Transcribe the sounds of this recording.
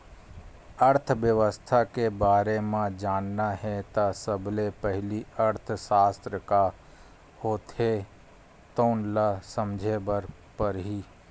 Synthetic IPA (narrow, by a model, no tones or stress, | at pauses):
əɾt̪ʰʋjəʋəst̪ʰakebaːɾemãd͡ʒaːnnaɦɛt̪asəblepɛɦliəɾt̪ʰəsaːst̪ɾəka | hoːt̪ɦe | t̪oːnlasəmd͡ʒʱebəɾ | pəɾɦiː